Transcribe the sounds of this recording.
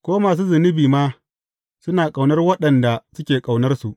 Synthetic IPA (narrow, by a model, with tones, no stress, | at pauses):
kʷoː˦maː˨s̬uː˦zɪ˨nɪ˦biː˨maː˦ | sʊ˦naː˨kʼa˨wnɐ˦rwɐ˦ɗɐ˨nda˨sʊ˦kʲeː˨kʼa˨wnɐ˦rsu˨ʔ